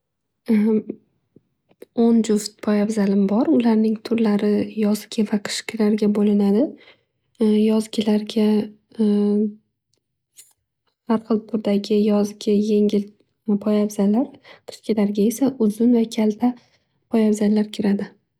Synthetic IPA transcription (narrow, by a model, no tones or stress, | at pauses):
ond͡ʒʊft̪̚pʰɒjabzalɪmbɒɾʊlaɾnɪŋt̪ʰʊɾlaɾɪjɒzɡʲɪvaqʰɨ̥ʃkʲɪlaɾɡʲabolɪnad̪ɪ | jɒzɡʲɪlaɾɡʲa | haɾχɨlˠt̪ʰʊɾd̪aɡʲɪjɒzɡʲɪje̞ŋʲɪl | pʰɒjabz̥alːaɾqʰɨ̥ʃkʲɪlaɾɡʲae̞saʔʊzɪnvakʲʰalt̪ʰa | pʰɒjabzalːaɾkʲʰɪɾad̪ɪ